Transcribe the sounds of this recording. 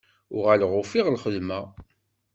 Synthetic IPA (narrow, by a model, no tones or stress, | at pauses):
ʊʁalʁʊfiʁlχəðmæ